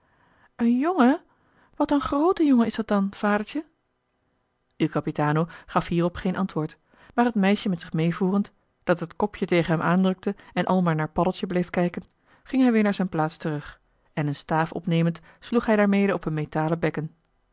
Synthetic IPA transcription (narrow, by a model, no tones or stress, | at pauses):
ənjoŋə | ʋɑtənχrowtəjɔŋəɪsdɑt̚dɑnv̥aːdəɹtə | ykɑpitaːnowχɑfɦiːrɔpχejnʔɑntʋʊːɹt | maːɹɦətmɛjʃəmɛtsɪχmejvuːrənt | d̥ɑtɦətkɔpʰjətejχənɦɛmʔaːndrɵk̚təɛnʔɑ̰lˠmaːɹnaːɹpɑdəlˠtəblejfkɛjkən | χɪŋɦɛjʋɪːɹnaːɹzɛjnplaːtstərɵχ | ɛnənstaːfɔ̰pnejmənt | sluχɦɛjdaːɹmejdəɔpənmejtaːləbɛkən